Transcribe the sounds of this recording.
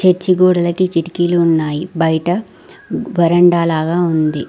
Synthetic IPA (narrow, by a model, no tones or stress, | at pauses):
t͡ʃet͡ʃːiɡoːɽɐlɐkikiʈikiːluːnːaːjibɐjʈɐ | ʋɐɾɐɳɖaːlaːɡaːund̪i